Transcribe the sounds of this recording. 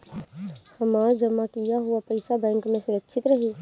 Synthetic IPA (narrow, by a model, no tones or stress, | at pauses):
həmaːɾd͡ʒəmːakijaɦuapəɪsabɛ̃ːŋkmẽsəɾətːʃʰit̪ɾəɦi